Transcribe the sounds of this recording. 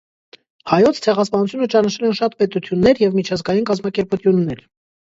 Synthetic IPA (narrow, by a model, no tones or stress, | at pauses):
hɑjɔt͡sʰt͡sʰɛʁɑspɑnut͡s̪ʰjunət͡ʃɑnɑʃʰɛlɛnʃɑt̪pɛt̪ut̪ʰjunːɛɾjɛvmit͡ʃʰɑzɡɑjinkɑzmɑkɛɾput̪ʰjunːɛɾ